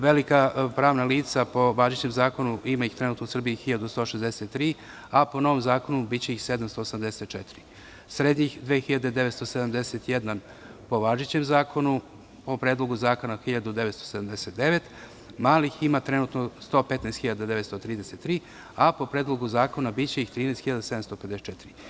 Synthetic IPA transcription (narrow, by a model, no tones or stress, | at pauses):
ʋelikapɾaːʋnaliːt̪sapo̞ʋaːʒit͡ɕemzaːko̞nuimaixt̪ɾenuːt̪nousr̩bijixiʎad̪ust̪o̞ʃezd̪eset̪ːɾiː | apo̞no̞ʋomzaːko̞nubit͡ɕeixsed̪amst̪o̞ːsamd̪eset̪̚t͡ʃɛt̪iɾi | sɾed̪ɲixd̪ʋeːxiʎad̪e̞d̪eʋest̪o̞sed̪amd̪eset̪jed̪nan | po̞ʋaʒit͡ɕemzaːkʰo̞nu | po̞pɾeːd̪lˠo̞ɡuzaːko̞naxiʎad̪ud̪e̞ʋe̞t̪st̪osed̪amd̪eset̪̚d̪eʋet̪ | maːliximat̪ɾenuːt̪nost̪o̞ːpet̪najst̪xiʎad̪ad̪eʋest̪o̞t̪ɾiːd̪eset̪ːɾiː | apo̞pɾeːd̪lo̞ɡuzaːko̞nabit͡ɕe̞ixt̪ɾiːnɛjst̪xiʎad̪ased̪amst̪o̞ped̪et͡ʃet̪iɾi